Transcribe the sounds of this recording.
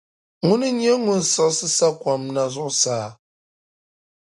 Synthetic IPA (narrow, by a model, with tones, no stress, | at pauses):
ŋu˦nɨ˦ɲ˦ɛ˦ŋu˦n̩˨sɔ˦ʔsɨ˦sa˦kwa˨mna˨zʊ˦ʔsaː˨